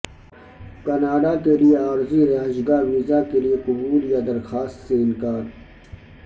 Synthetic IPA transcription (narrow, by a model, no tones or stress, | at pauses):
kɐnaːɖakelieaːɾziɾaɦd͡ʒɡaːɾʋizakelieqʊbuːljad̪ɐɾxaːst̪seɪnkaːd̪